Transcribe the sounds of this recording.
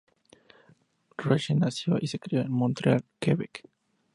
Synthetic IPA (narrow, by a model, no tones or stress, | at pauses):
reʃenasjo̰ʔisekɾioenmont̪ɾealkeβek